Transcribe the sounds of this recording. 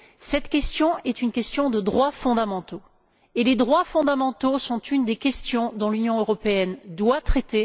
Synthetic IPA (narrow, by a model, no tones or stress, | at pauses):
sɛt̪kʲɛst̪jɔ̃ɛt̪ynkʲɛst̪jɔ̃d̪əd̪ʁwafɔ̃d̪amɑ̃t̪o | eled̪ʁwafɔ̃d̪amɑ̃t̪osɔ̃t̪ynd̪ekʲɛst̪jɔ̃d̪ɔ̃lynjɔ̃øʁɔpeɛnd̪wat̪χet̪e